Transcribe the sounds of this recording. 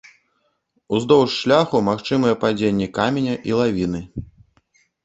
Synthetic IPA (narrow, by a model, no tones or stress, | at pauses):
uzd̪ɔwʂːlʲaxumaxt͡ʂɨmɨjɛpad͡zʲenʲːɛkamʲenʲɐʔilˠavʲinɨ